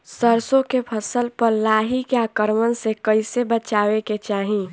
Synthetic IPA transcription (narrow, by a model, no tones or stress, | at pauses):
səɾsõkepʰəsəlpəɾlaːɦikjakəɾmənsekəɪsebət͡ʃaːweket͡ʃaːɦĩ